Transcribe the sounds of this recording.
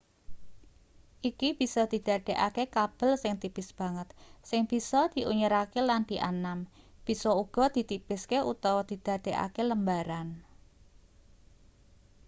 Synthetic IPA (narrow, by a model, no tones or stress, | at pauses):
ʔikib̥i̤sɔd̪̥i̤d̪̥a̤d̪̥e̤ʔakekab̥ə̤lsɪŋt̪ipɪsb̥a̤ŋət̪̚sɪŋb̥i̤sɔd̪̥i̤ʔuɲəɾakeland̪̥iʔanam | b̥i̤sɔuɡ̥ɔ̤d̪̥i̤t̪ipɪskeut̪awɔd̪̥id̪̥ä̤d̪̥e̤ʔa̰keləmbaɾan